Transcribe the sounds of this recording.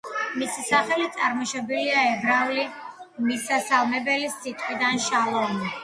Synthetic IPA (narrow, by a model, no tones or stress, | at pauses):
misisaχɛlit̪t̪sʼaɾmɔʃɔbiliaɛbɾavli | misasalˠmɛbɛlisit̪ʼqʼid̪anʃalˠɔni